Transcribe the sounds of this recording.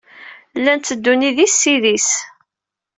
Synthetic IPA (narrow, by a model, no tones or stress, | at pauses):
lːænt̪ːəd̪ːuniðisːiðis